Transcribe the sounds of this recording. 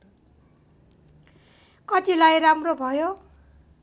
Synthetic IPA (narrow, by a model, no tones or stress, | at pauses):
kʌt̪ilajramrobʱʌjo